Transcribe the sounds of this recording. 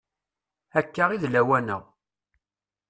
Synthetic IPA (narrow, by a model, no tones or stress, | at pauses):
ækːəʁiðlæwænəʁ